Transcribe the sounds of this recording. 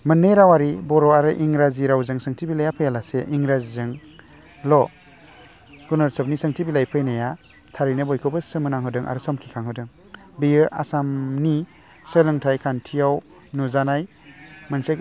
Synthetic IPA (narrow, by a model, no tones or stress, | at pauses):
mɯnːejɾawaɾibɔɾɔaɾɯʔiŋɾaziɾawzɯŋsɯŋtʰibilajapʰɯjalaseʔiŋɾazizɯŋ | lɔ | ɡ̥unɔɾsɔp̚nisɯŋtʰibilajpʰɯjnaja | tʰaɾinɯbɔjkʰɯbɯsɯmɯnaŋɦɯdɯŋʔa̰ɾɯsɔmkʰikʰaŋhɯdɯŋ | bijɯʔa̰samni | səlɯŋtʰajkʰantʰijaw | nuzanaj | mansek